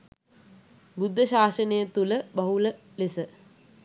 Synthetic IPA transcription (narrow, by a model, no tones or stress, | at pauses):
bud̪ʱːəɕaːʃənəjət̪uləbɐɦulə | lesə